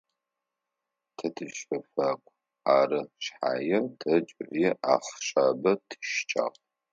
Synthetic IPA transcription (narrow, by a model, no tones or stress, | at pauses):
tʰɐtʰɨʃɐfakʷʼ | aːrɨʃħa̰ːjɛtʰɐt͡ʃʼʕʷjɛʔaːχʃaːbɐtʰɨ̥ʃt͡ʃʼa̰ːqʼ